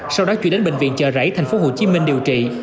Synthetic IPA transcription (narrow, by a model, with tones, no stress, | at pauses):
sa˧wɗɔ˨˦t͡ɕw̰ənɗe˨˦nɓḛ˧˨ŋvḭ˧˨ənt͡ɕəː˧˨˩zə̰ː˧˥jt̪ʰa˨˩jŋ̟fo˨˦ɦo˨˩t͡ɕi˨˦mï˧ŋ̟ɗi˨˩əwt͡ɕḭ˧˨